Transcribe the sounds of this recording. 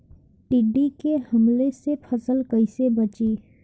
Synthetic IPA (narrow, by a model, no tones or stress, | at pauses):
ʈiɖikehɐmlesepʰəsəlkəɪsebɐt͡ʃiː